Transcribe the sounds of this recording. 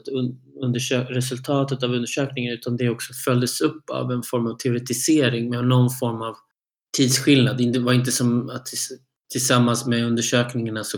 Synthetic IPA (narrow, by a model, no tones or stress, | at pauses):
t̪ɵnd̪əʂøɾɛsɵlt̪ʰɑːt̪ət̪avɵnd̪əʂøːknɪŋənʉ̟ːt̪and̪ɛɔksɔfœld̪əsɵpːa̰vɛnfɔɾmavt̪ʰɛʊɾɛt̪ɪseːɾɪŋmɛnɔnfɔɾmav | t̪ʰiːd̪sɧɪlnad̪ɪnt̪vaɾɪnt̪əsɔmat̪̚ɛ | t̪ʰɪlsamːansmɛɵnd̪əʂøːknɪŋaɳasɔ